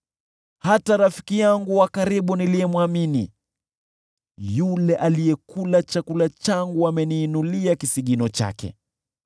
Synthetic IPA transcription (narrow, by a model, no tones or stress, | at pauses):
hataɾafi̥kijaŋɡuwakaɾiɓunilijɛmwamini | julɛʔalijɛkulat͡ʃakulat͡ʃaŋɡuamɛniːnuliakisiɠinɔt͡ʃa̰kɛ̰